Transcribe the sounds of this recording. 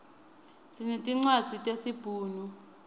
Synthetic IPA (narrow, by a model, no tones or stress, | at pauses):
sinetʼiŋ͡ǀwad̥z̥ʱitʼesib̥ʱuːnu